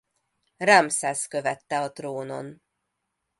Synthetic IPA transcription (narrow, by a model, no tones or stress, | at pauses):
ramsɛskø̞vɛt̪ːɛɒt̪roːno̞̰n